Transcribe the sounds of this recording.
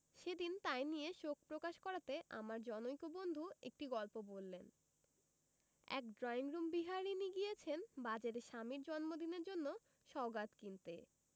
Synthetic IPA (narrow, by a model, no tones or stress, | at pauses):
ʃed̪int̪ajnijeʃok̚pɾokaʃkɔɾat̪eʔa̰maɾd͡ʑɔnojkobond̪ʱuḛk̚ʈiɡɔlpobolːen | ɛ̰kɖɾɔiŋɾumbiɦaɾiniɡijet͡ɕʰenbad͡ʑaɾeʃamiɾd͡ʑɔnmod̪ineɾd͡ʑonːo | ʃɔɡat̪kint̪ḛ